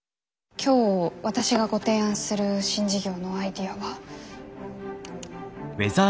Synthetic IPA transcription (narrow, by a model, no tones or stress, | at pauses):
kʲʰo̞ːβat̪aɕiɡaɡo̞t̪e̞ːãɰ̃sɨɾɯ̟ɕĩɲ̟d͡ʑiɡʲo̞ːno̞aid̪ʲiaβa | beza